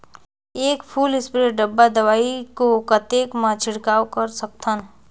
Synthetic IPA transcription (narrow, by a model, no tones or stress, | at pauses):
eːkpʰuːlɪspɾeɖəbːad̪əwaːikokət̪eːkmãt͡ʃʰɪɽkaːwkəɾsək̚t̪ʰən